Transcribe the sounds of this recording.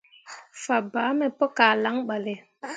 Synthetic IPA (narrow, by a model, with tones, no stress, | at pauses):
fa˨baː˨˦mɛ˨pɔ˦kaː˨la˦ŋɓa˨le˨